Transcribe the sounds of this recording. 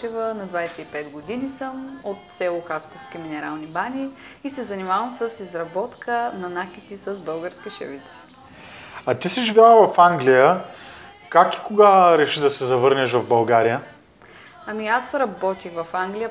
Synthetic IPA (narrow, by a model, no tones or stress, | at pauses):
ɛvənɐd̪vajsɛipɛd̪ɡod̪inisəmot̪sɛlˠʊxaskʊfskiminɛɾalˠnibanʲiisɛzɐnimavəmsəsizɾɐbɔt̪kənɐnakit̪isəzbɤlˠɡəɾskiʃɛ̰vit̪s | ɐt̪isiʒbilˠavɐfaŋɡlijə | kaki̥koɡaɾɛʃid̪ɐsɛzɐvɤɾnɛʃvɐvbɐlˠɡaɾijə | ɐmiasɾɐbɔt̪ixvɐfaŋɡlijə